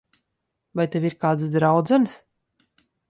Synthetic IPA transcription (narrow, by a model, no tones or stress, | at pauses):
vajt̪eviɾkaːd̪sd̪ɾawd̪zɛnɨs